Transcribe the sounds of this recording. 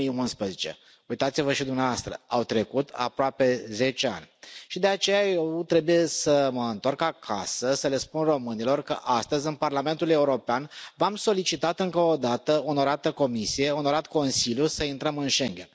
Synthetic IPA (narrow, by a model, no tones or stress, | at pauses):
iunspɾəzet͡ʃe̞̰ | ujt̪at̪sivəʃid̪umneavast̪ɾə̰awt̪ɾe̞kut̪ʰa̰pɾoape̞ze̞t͡ʃea̰nʲʃid̪e̞at͡ʃe̞jaje̞wt̪ɾe̞buje̞səməɨnt̪orkakʰa̰səsəle̞spunro̞mɨnilo̞rkə̰ʔast̪əzʲɨnparlame̞nt̪ule̞uɾo̞peanvamso̞lit͡ʃit̪at̪ɨŋkəod̪at̪əo̞no̞ɾat̪əko̞misije̞o̞no̞ɾat̪ko̞nsiljusəint̪ɾəmɨnʃe̞ŋɡʲe̞̰n